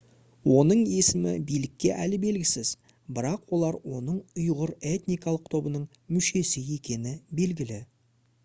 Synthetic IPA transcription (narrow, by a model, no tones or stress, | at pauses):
wʔo̞nəɴe̞sɪmɪ̰bijlɪkʲːe̞ʔælɪbe̞lɡʲɪsɪz | bɪɾɑqwo̞lˠɑɾwo̞nəɴʊjʁəɾe̞t̪nijkɑlˠəq̚t̪ʰo̞bənəɴ | mʏʃe̞sɪje̞kʲe̞nɪbe̞lɡʲɪlɪ